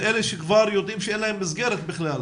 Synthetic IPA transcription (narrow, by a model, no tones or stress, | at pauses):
ʔeleʃekvaɾjod̪imʃɛenlahemːizɡeɾet̪bɪχlal